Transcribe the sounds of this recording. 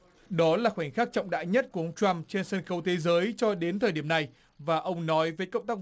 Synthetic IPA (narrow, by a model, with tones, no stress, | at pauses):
ɗɔ˨˦laː˨˩xwŋ̟xaː˦˥k̚t͡ɕɔ̰˧˨wŋ͡mɗa̰ː˧˨jɲə˦˥t̚ku˧˩əʔə˧wŋ͡mt͡ɕwa˧mt͡ɕe˧nsəː˧nxə˨˦wt̪ʰe˨˦zəː˨˦jt͡ɕɔ˧ɗe˨˦nt̪ʰəː˨˩jɗi˧˩əmna˨˩j | vaː˨˩ʔə˧wŋ͡mnɔ˨˦jvəː˨˦jkə˧wŋ͡mt̪aː˦˥k̚